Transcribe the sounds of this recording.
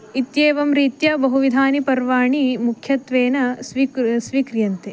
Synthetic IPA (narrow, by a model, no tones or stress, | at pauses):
it̪jeːʋɐmɾiːt̪jɐbɐɦuʋid̪ʱaːnipɐɾʋaːɳimukʰjɐt̪ʋeːnɐsʋisʋiːkɾjɐnt̪e